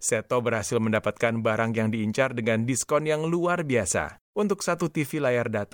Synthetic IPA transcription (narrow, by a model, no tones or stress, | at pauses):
sɛt̪obərhasɪlməndapat̪̚kanbaɾaŋjaŋdiːɲt͡ʃardəŋandiskɔnjaŋluarbiasa̰ | ʔunt̪ʊksat̪ut̪ifilajardat̪a